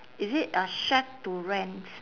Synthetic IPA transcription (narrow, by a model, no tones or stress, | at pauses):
izɪtəʃaktːuɹɛ̃nt